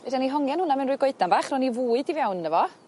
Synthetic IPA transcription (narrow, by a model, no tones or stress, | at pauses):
vedaniɦɔŋjɛnhʊnamɛwnruːjɡɔɨdanbaːχrɔnivuːɨdivjawnːəvɔ